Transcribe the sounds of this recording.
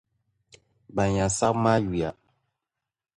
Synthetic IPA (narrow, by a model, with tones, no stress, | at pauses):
ba˨ɲã˨sa˦bma˦ji˨a˨